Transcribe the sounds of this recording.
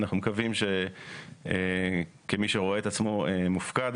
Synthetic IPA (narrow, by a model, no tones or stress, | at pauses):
naχnumekavimʃe | e | kemiʃeʁoeet̪at͡smo̞emufkad̪